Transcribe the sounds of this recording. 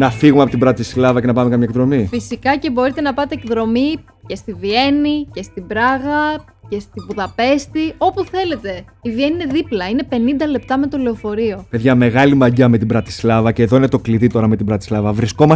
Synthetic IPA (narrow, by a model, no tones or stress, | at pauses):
nɐfiɣumeɐpo̞t̪ibɾɐt̪islɐvɐce̞nɐpɐmekɐmɲɐekðɾo̞mifisikɐce̞bo̞ɾit̪e̞nɐpɐt̪e̞ːkðɾo̞mi | ce̞st̪ivie̞nice̞st̪ibɾɐɣɐ | ce̞st̪ivuðɐpe̞st̪io̞puθe̞le̞t̪e̞ivie̞niine̞ðiplɐine̞pe̞nind̪ɐle̞p̚t̪ɐme̞t̪o̞le̞ofo̞ɾio̞peðʝɐme̞ɣɐlimɐɲɟɐme̞t̪ibɾɐt̪i̥slɐvɐce̞ðoinet̪o̞kliðit̪o̞ɾɐme̞t̪ibɾɐt̪islɐvɐvɾisko̞mɐs